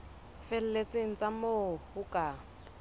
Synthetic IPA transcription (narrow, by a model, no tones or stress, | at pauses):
fɛl̩let͡sɪŋ̩t͡sʼamohʊkʼa